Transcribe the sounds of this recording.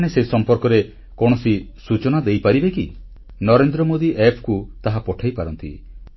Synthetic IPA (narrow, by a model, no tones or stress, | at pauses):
esesɔmpɔɾkɔɾe | kɔɽ̃ɔsisut͡ʃɔnad̪ejpaɾibeki | nɔɾend̪ɾɔmod̪iʔepʰkut̪aɦapɔʈʰajpaɾɔnt̪ḭ